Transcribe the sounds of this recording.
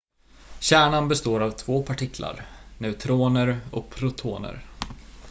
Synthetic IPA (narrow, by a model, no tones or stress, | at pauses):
ɕæːɳanbɛst̪oːɾavt̪ʰvoːpʰaʈʰɪkʰla̰ɾnɛʉt̪ʰɾoːnəɾɔkpʰɾʊt̪ʰo̰ːnə̰ɾ